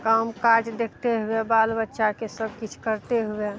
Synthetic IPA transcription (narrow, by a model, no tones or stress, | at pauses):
kamkad͡ʒd̪ekʰt̪eɦʊebaːlbətːʃakesəb̚kit͡ʃʰkəɾt̪eɦue